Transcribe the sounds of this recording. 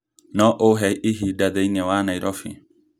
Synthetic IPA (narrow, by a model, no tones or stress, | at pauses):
nɔʔoɦɛʔiɦidaðɛinɛwaːnaiɾʔɔfḭ